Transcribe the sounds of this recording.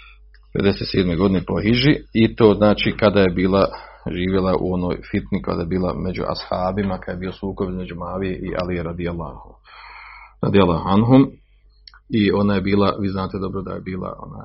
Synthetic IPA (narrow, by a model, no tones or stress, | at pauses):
d̪̥eʋed̪e̞set̪seːd̪meɡo̞d̪inepo̞ɦiʒiit̪oːznaːt͡ʃiːkad̪aje̞biːlˠaʒiːʋjelˠaʔṵo̞no̞̰ːjfit̪nika̰d̪ajebiːlˠa̰me̞d͡ʑṵʔa̰shaːbimakajebiːo̞suːkobme̞d͡ʒumaːʋijeʔiʔa̰lijeɾad̪ialˠːa | ɾa̰d̪ijalˠːahuanɦum | io̞naje̞biːlˠaʋiːznaːt̪e̞d̪o̞bɾo̞d̪a̰jebiːlˠa̰o̰na̰ːj